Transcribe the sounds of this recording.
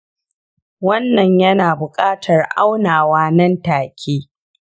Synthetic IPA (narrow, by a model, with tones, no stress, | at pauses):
wɐ˦nːɐ˨ɲjɐ˦naː˨bʊ˨kʼaː˦tʰɐ˨rʔa˦wnaː˨waː˦nɐ˦ntaː˨kʲʰeː˦